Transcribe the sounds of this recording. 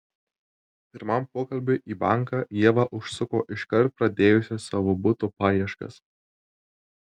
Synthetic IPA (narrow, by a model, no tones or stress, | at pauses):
pʲɪɾmɐmpoːkɐlʲbʲʊʔiːbɑ̰ˑŋˑkɑːjiɛʋɑʔʊʃsʊkoːʔɪʃkɐɾt̪̚pɾɐd̪ʲeːjʊsʲɛsɑːʋoːbʊt̪oːpɑːjiɛʃkɐ̰s